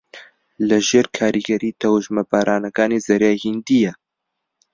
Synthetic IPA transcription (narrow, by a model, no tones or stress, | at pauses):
lɐʒeːɾkʰaːɾiɡɐɾiːt̪ʰɐwuʒmɐbaːɾʔaːnɐkaːnizɐɾjaːhind̪ijɛ